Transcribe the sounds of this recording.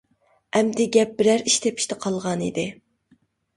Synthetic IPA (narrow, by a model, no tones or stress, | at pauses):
ɛmd̪ɪɡʲɛp̚bɪɾæɾiʃt̪ʰepʰi̥ʃt̪ʰɛqʰɑlˠʁɑnḭd̪ɪ